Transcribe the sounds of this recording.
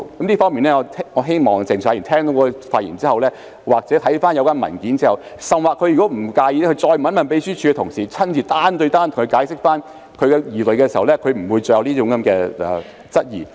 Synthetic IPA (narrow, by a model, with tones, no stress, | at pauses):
kɐ˨˦mniː˥fɔː˥miː˨nɛː˥ŋɔː˨˧t̪ʰɔː˨˧ɦe˥jmɔː˨ŋt͡sɪ˨ŋsʰaː˨˧˥ji˨˩nt̪ʰɛː˥ŋt̪o˨˥wkɔɔ˧faː˧t̚jḭː˨˩nt͡siː˥hɐ˨wlɛː˥ | waː˨k̚t͡sɛː˨˥t̪ʰɐ˨˥jfaː˥njɐ˨˧wkaː˥nmɐ̰˨˩nkiː˨˥nt͡siː˥ɐ˨wsɐ˨mwaː˨kʰːɵ˧ɥjyː˨˩kɔ˨˥m̩˨˩kaː˧ji˨˧lɛ˥kʰt͡sɔː˧jmɐ˨˥nmɐ˨npe˨˥jsyː˥t͡ʃʰyː˧ɛ˧t̪ʰʊ˨˩ŋsiː˨˩t͡sʰɐ˥nt͡siː˨˩t̪aː˥nt̪ɵ˧t̪aː˥nt̪ʰʊ˨ŋkʰɵ˧kaː˨˥jsɪ˥k̚faː˥n | kʰɵ˧ɥkɛ˧jiː˨lɵ˨ɥkɛ˧si˨˩hɐ˨˩wlɛː˥kʰɵ˨˧ɥm̩˨˩wuː˨˧jt͡sɵ˧jɐ˧wniː˥t͡ʃʊ˨˧˥ŋkɐ˨˦mkɛː˧ɛ̰˨ | t͡sɐ˥t̚jḭː˨˩